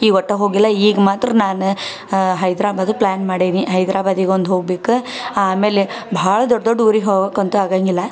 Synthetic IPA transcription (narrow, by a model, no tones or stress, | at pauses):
iːɡɔʈːeɦoːɡilːɐiːɡɐmaːt̪ɾɐnaːnu | ɦɐjd̪ɾaːbaːd̪pɭaːnmaːɽiniɦɐjd̪ɾʔaːbaːd̪iɡeond̪ɦoːɡbeːkuaːme̞ːlebʱɐaːɭɐd̪ɔɖːd̪ɔɖːuːɾiɦoːɡeːkɐnt̪uaːɡaŋɡilːɐ